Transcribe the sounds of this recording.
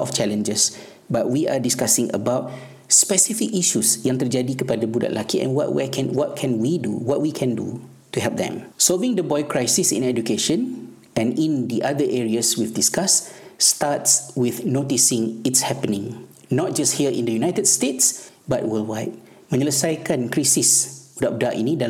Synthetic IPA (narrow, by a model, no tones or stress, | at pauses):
ɔ̰ft͡ʃɛlə̃nd͡ʒəs | bat̚wiʔadiskasĩŋə̰baʊt̚ | spɛsifikiʃusjãŋt̪əd͡ʒadikəpadəbuda̰ʔlʔakiʔɛ̰̃nwɔ̰ʔwɛ̰kʰɛ̃nwɔt̚kʰɛ̃nwidṵwɔt̚wikʰɛ̃ndṵ | tuɦɛlp̚d̪ɛ̰̃msɔlvĩŋdəbɔjkɹajsisḭ̃nɛd͡ʒukeʃə̃n | ɛ̃nĩndiʔadəʔɛɹiəswifdiskasːtatswiθnotisɪ̃ŋitshɛpənĩŋ | nɔt̚d͡ʒasthiəʔḭ̃ndəjunajtədstetsbat̚wəlwajt̚ | mə̃niləsajkãnkɹisisb̥udaʔ̚daʔḭnida